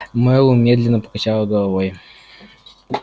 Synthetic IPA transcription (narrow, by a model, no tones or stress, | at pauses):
mɛlʊmʲed̪lʲɪnːəpə̥kɐt͡ɕalˠəɡəlˠɐvoj